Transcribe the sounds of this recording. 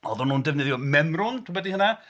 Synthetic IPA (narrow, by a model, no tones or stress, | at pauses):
ɔðʊnːuːndɛvnɛðjɔmɛmrʊntʰubɛdihəna